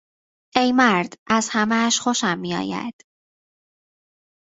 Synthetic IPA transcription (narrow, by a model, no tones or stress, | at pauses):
ejmæɾd̪ʔæzhæmæʃχoʃæmːijɒ̰ːjæ̰d̪̥